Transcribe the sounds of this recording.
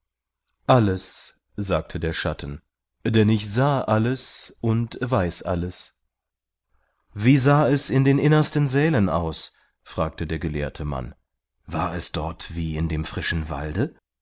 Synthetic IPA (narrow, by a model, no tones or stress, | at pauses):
ʔaləs | z̥aːk̚tʰədeːɐʃatʰn̩ | d̥ɛnɪçz̥aːʔaləsʔʊntvaɪsʔa̰ləs | viːzaːɛsɪndeːnʔɪnɐstənzɛːləna̰ʊs | fʁ̥aːk̚tʰədeːɐɡəlḛːɐtʰəma̰n | vaːɐɛsd̥ɔɐtv̥iːɪndeːmfʁ̥ɪʃn̩va̰ldə